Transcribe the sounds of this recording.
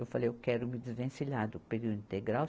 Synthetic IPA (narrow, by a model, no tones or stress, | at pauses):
ewfalejewkɛɾʊmɪd͡ʒ̪ɪzvẽsiʎaɾd̪ʊpeɾiwduĩnt̪eɡɾaw